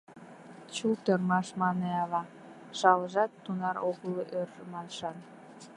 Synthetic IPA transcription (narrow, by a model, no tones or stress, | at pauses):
t͡ɕult̪ermɑʃmɑneɑβɑ | ʃɑləʒɑt̪ːunɑɾoɣəloʔørʒmɑnʃɑn